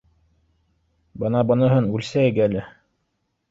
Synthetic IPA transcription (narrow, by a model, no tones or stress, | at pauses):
bɤ̆nɑbɤ̆nɤ̆ɦɤnʉlsæɘɡælɘ